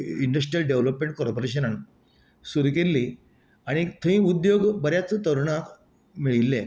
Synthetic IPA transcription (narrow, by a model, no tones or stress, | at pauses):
iɳɖəs̬ʈɾijəlɖeʋləpmẽɳʈ̚koɾpoɾeɕ̬ənən | suɾkelːiː | aɽ̃it̪ʰəĩːud̪joɡbəɾjat͡st̪əɾɳat̪ | miɭilːe